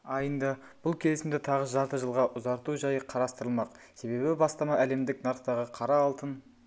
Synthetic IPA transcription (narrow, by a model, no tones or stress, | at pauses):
ɑjənd̪ɑ | b̥ʊlˠkʲʰe̞lɪsɪmd̪ɪt̪ʰɑʁəʒɑɾt̪əʒəlˠʁɑʔʊzɑɾt̪uʒɑjəqʰɑɾɑst̪əɾəlˠmɑq | se̞βe̞bɪbɑst̪ɑmɑʔæle̞md̪ɪknɑɾqt̪ɑʁəqʰɑɾɑːlˠt̪ən